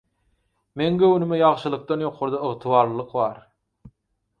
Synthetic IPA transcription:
meŋɡøwnɪmɪjɑʁʃɯlˠɯq̚t̪ɑnjoqʰoɾd̪ɑəʁt̪ʰɨwɑːɾlˠlˠɯqvɑɾ

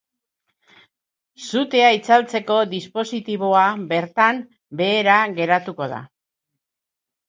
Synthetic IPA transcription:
sut̪e̞ait͡salt͡se̞ko̞d̪ispo̞sit̪iβ̞o̞abe̞ɾt̪am | be̞ːɾaɣe̞ɾat̪uko̞ð̞a̰

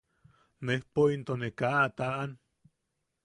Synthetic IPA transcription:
nehpoint̪onekaʔat̪aʔan

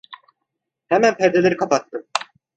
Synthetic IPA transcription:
hæmænpʰɛɾd̪elʲeɾikʰapat̪ːɯ

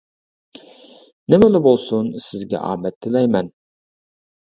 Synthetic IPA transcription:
nɪmɪlɪbolˠsʊnsɪzɡʲɛ̰ʔɑ̰ːmɛt̪ʰːɪlɛjmɛn

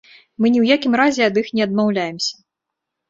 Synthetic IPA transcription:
mɨnʲiwjakʲimɾazʲɛɐd̪ɨxnʲɛɐd̪mawlʲajɛmsʲɐ̥

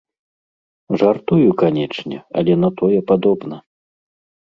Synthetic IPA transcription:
ʐart̪ujukanʲɛt͡ʂnʲɛ̰a̰lʲɛn̪at̪ɔjɛpad̪ɔbnɐ

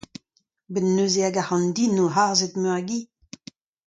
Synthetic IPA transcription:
benːøːzeaɡahɑ̃nd̪inoɦaʁzet̪møʁɡi

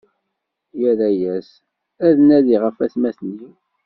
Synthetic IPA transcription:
jæɾæjæs | æðənæðiʁəfæθmæθni

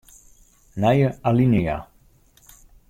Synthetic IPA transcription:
najəalineja̰

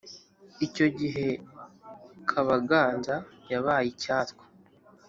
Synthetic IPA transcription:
ico̞ɟiɦe̞ | kʰaβaɡaːnzajaβaːjicaːtkwḁ

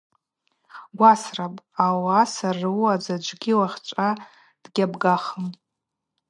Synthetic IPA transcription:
ɡʷasrapʼawasarɨwad͡zad͡ʒʷʼɡʲiwaχʲt͡ʃʷʼa | d̥ɡʲabɡaχəm

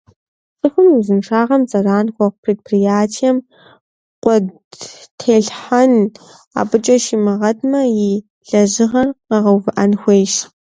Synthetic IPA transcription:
t͡sʼɨxʷʊmizɨmʂaːʁɐmzʼɐraːnxʷɔq̚pʰreːd̚pʰrijaːtʰijɛm | qʷʼɔd | tʰeːɬħan | a̰ːbɨt͡ʃʼɐʃimɨʁɐdʰʼmɐjɪ | ɮɐʑɪʁɐrqɐʁɐwvɨʔɐnxʷeːʃ

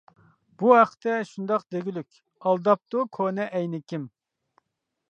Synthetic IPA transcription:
b̥uɦæqʰə̥t̪ɛʃund̪ɑqd̪eɡʲilykʲ | ɑlˠd̪ɑp̚t̪ukʰonɛʔɛjnɪkʲim

